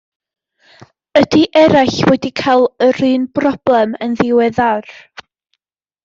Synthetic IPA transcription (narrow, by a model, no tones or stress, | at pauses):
ədiʔɛɾaɬvwɛdikʰalˠəɾɨːnbrɔb̥lˠɛmənðɪwɛðar